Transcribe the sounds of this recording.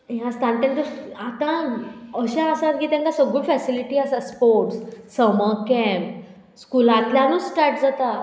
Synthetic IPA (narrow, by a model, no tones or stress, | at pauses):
jãst̪ʰãnt̪ɛ̃nt̪əat̪ãəɕaːsat̪kit̪ãŋkasəɡuɭfɛsiliʈiasaspoɾʈssəməkɛ̃mp | skulãt̪ljãnuʈaɾʈd͡zat̪a